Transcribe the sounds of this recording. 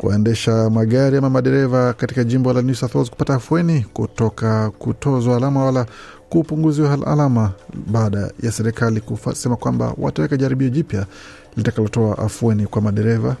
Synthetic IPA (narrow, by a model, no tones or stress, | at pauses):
kṵɛ̰ndɛʃamaɠaɾiamamaɗɛɾɛvakatikaʄimbɔlanusaθɔzku̥pataːfuɛnikutɔkakutʰɔzwaːlamawalakuːpuŋɡuziwaala̰lamaɓaːɗa̰jasɛɾɛkalikusɛmakwamba̰wa̰tawɛkaʄaɾiɓiɔʄipja | litakalɔtɔaʔafuɛnikwamaɗɛɾɛva